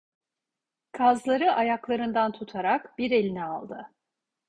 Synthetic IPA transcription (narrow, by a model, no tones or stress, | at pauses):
kʰazlˠaɾɯʔajaklˠaɾɯnd̪ant̪ʰut̪ʰaɾakbiɾe̞lʲinɛalˠd̪ɯ